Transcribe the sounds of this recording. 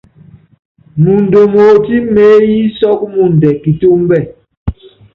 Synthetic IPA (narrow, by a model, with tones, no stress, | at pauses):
mu˨n˨do˨mo˨ti˦me˨˦ji˦sɔ˦k̚mu˨n˨dɛ˨ki˨tu˦m˦bɛ˦˨